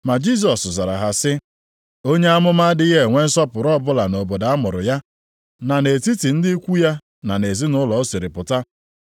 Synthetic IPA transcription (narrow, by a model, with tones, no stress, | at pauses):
ma˨d͡ʒi˦˨s̬ɔ˨sza˨ɾa̰˨ɦa˨sɪ˦ | o˦ɲe˦a˦mʊ˦ma˦dɪ˦ɣe˦˨ŋʷe˦n̩˦sɔ˦pʊ˨ɾɔ˦˨bʊ˦la˨no˨bo˨da˨a˦mʊ˨ɾʊ̰˨ja˦ | na˨ne˨ti˦ti˨n̩˦dɪ˦i˦kʷu˦ja˦ | na˨ne˨zi˦nʊ˦lɔ˨˦si˨ɾɪ˨pʊ˨ta˦